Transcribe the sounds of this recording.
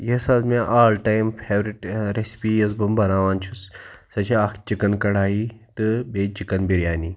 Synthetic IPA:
jɐsaːzmaʔaːlʈajmfʰeːʋɾiʈɾespijɐsbɐmbɐnaːʋaːnt͡ʃʰussɐt͡ʃʰiakʰt͡ʃikɐnkɐɽaːjit̪ɨbeːt͡ʃikɐnbiɾjaːni

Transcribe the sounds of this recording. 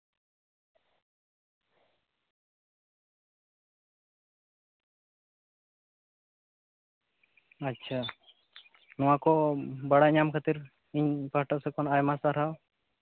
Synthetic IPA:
ətːʃʰa | nɔwakɔbaɽaɲamkʰat̪iɾ | iɲpaʈəʔsɛkɔnajmasaɾaw

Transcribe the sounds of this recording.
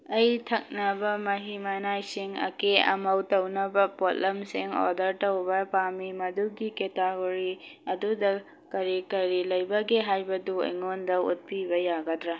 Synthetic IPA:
ɐjtʰɐk̚nɐbɐmɐɦimanajsiŋɐ̰keɐ̰mɐwtɐwnɐbɐpotlɐmsiŋɔ̰dɐɾtɐwbɐpamimɐduɡiketaɡoɾiɐdudɐ | kɐɾikɐɾilɐjbɐɡeɦajbɐduɐ̰jŋondɐṵt̚pibɐjaɡɐtɾɐ

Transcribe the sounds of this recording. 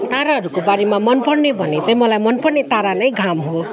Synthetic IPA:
t̪aɾaɦʌɾukobaɾemamʌnpʌɽnebʱʌnet͡saĩmʌlajmʌnpʌrnet̪aɾanʌjɡʱamɦo

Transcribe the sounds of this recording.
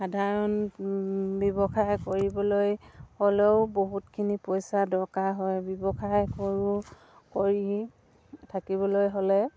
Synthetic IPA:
xadʱaɹɔn | bɔbɔxajkoɹibɔlojholeʊboɦutkʰinipojsadɔɹkaɦɔjbɔbɔxʰajkoɹu | koɹi | tʰakiβɔlojɦolɛ

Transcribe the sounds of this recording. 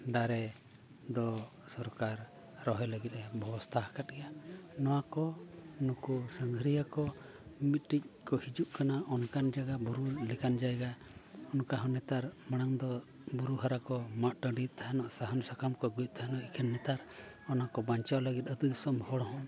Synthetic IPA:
d̪aɾɛ | d̪ɔ | sɔɾkaɾ | ɾɔɦɔjləɡit̪̚ˀɾɛbʱɔbɔst̪ʰaɦakat̪̚ɡɛjanɔwakɔnukusəŋɡʱɾijakɔ | mit̪̚ˀʈic̚ˀkɔhid͡ʒuʔkanaʔɔnkand͡ʒaɡabuɾulɛkand͡ʒajɛɡa | ɔnkaɦɔnɛt̪aɾmaɽ̃aŋd̪ɔ | buɾuɦaɾakɔmaʔ̪ʈəɖit̪ʰaɦanɔʔsaɦansakamkɔɡujc̪̚ˀt̪ʰaɦanɔʔikʰənːɛt̪aɾ | ɔnakɔbaɲt͡ʃawləɡit̪̚əd̪ud̪isɔmhɔɽɔɦɔ

